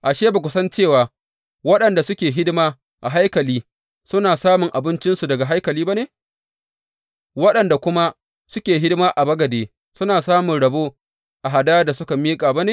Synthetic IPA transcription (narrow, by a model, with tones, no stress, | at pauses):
ʔa˨ʃeː˦ba˨kʷʊ˦sɐ˦nt͡ʃeː˦˨waː˨ | wɐ˦ɗɐ˨nda˨sʊ˦kʲeː˨ɦɪ˦dmaː˦ | ʔa˨ɦa˦jkɐ˨liː˦ | sʊ˦naː˨saː˦mʊ˨ŋʔa˨bɪ˦nt͡ʃɪ˦nsu˨dɐ˨ɡa˨ɦa˦jkɐ˨liː˦ba˦neː˨ | wɐ˦ɗɐ˨nda˨kʷʊ˦ma˦ | sʊ˦kʲeː˨ɦɪ˦dmaː˦ʔa˨bɐ˦ɡɐ˨deː˨ | sʊ˦naː˨saː˦mʊ˨nɽɐ˨boː˦ | ʔa˨ɦa˨daː˦jda˨sʊ˦ka˨miː˦kʼaː˨ba˦neː˨